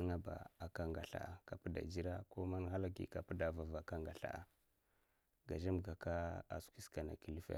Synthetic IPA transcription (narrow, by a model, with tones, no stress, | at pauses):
ŋa˦ba̰˨a˨ka˦ŋɡa̰˨ɬa̰˨a˨ka˨pə˦da̰˨d͡ʒi˦ɾa˦ko˦ma˦nɦa˦la˦ɡḭ˨ka˨pu˦da˨va˨va˨ka˦ŋɡa˨ɬa̰˦ʔa˨ | ɡa˨ʒa˦mɡa˨ka˦a̰˨skʷi˦ska˨na̰˨ki˦˨li˦fḛ˦